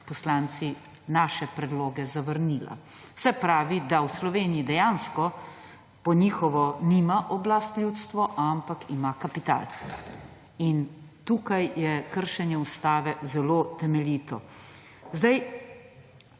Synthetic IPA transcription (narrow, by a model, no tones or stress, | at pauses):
pɔslaːnt̪si | naːʃɛpɾɛd̪loːɡɛzaʋəɾniːla̰ | sɛpɾaːʋid̪awslɔʋeːnijid̪ɛjanskɔ | pɔnixɔʋɔnimaʔɔblast̪lʲut̪st̪ʋɔʔampakimakapit̪a̰ːl | int̪uːkajjɛkəɾʃɛnjɛust̪aːʋɛzɛloːt̪ɛmɛliːt̪ɔ | zd̪aj